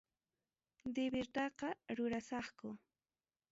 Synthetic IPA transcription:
d̪ɪbɪɾt̪ɑqɑɾʊɾasɑχkʊ

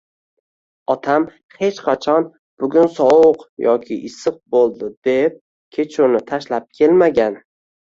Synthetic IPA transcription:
ɒt̪ʰam | he̞t͡ʃqʰɑt͡ʃʰɒn | b̥ʊɡʲʊnsɒwʊqjɒkʲʰɪʔɪsɨq̚bolˠd̪ɪd̪e̞p̚ | kʲʰe̞t͡ʃʰʊnɪt̪ʰaʃlap̚kʲʰe̞lmaɡʲan

